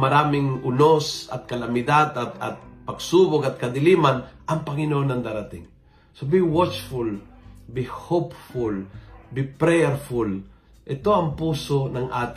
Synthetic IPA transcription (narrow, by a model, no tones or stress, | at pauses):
mɐɾaːmɪŋʊnosɐ̰t̪̚kɐlamɪd̪ad̪at̪a̰t̪̚pɐɡsubokat̪̚kɐd̪ɪlimanʔɐŋpɐŋɪnonaŋd̪aɾat̪ɪ̰ŋ | sobiwɔt͡ʃfulbihopfulbipɾɛɛɾful | ʔɛt̪oɐmpuːsonaŋʔaːt̪